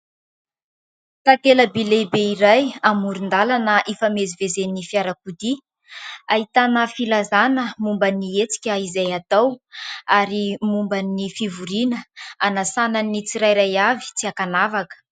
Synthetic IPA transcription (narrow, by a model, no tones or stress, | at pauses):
t̪akeləbelebeiɾajamuɾind̪alanəʔefamezivezenifiaɾakud̪i | aɦit̪anəfilazanəmumbəniet͡si̥kʲəizajat̪awaɾimumbanifivuɾinəanasananit͡siɾajɾajavi̥t͡siakanavakə̥